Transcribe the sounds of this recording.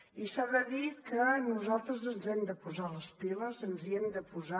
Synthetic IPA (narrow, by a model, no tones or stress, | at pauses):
isaðəðikənuzalˠt̪ɾəzənzɛmd̪əpuzaləspiləzənziɛmd̪əpuza